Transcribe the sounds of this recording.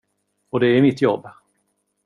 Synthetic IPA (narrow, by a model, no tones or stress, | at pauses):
ɔd̪ɛæɾmɪt̪ːjɔbː